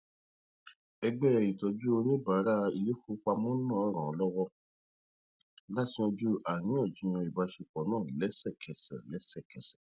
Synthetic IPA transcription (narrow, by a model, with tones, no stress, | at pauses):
ɛ˧ɡ͡bɛ˦ɛ˨ji˨tɔ˨d͡ʒu˦o˧nĩ˦ba˨˦ɾa˦i˧le˦fu˦k͡pa˧mɔ̃˦nã˦˨ɔ˦ɾ̃ã˨ɔ˨˦lɔ˦wɔ˦ | la˦tĩ˦ɔ̃˧d͡ʒu˦ʔa˨nĩ˨˦ɔ˦˨d͡ʒi˨˦j̃ɔ̃˧i˨ba˧ʃe˧k͡pɔ˨˦nãː˦˨lɛ˨˦sɛ˦˨kʰɛ˨sɛ̰˨lɛ˨˦sɛ˦˨kɛ˨sɛ̥˨